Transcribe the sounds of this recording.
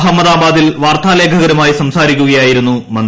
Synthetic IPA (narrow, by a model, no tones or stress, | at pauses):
ɦɐmːɐðaːbaːd̪ilʋaːrt̪ʰaːle̞ːkʰɐɣɐɾumaːjisɐmsaːɾikʲːuɣɐjaːjiɾunːumɐn